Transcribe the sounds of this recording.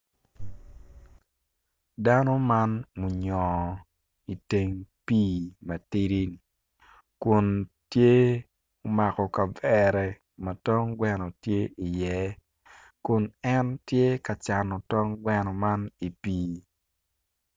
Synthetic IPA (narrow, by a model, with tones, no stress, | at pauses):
da˦no˦ma˦nmu˨ɲɔ˨ | i˨te˨ŋpiː˦mɐ˨ti˦ɾi˦n˨ | kʊ˨ntje˦ | o˨˦ma˨kɔ˨ka˨vɛ˨ɾɛ˨ | mɐ˨tɔ˦ŋɡwɛ˦nɔ˨tje˦i˨jɛ˨˦ | kʊ˨nɛ˦ntje˦ka˨t͡ʃa˨nɔ˨tɔ˦ŋɡwɛ˦nɔ˨ma˦ni˨piː˦